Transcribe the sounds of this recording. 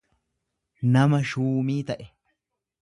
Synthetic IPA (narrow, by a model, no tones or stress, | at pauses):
nɐmɐʃuːmiːt̪ɐʔɛ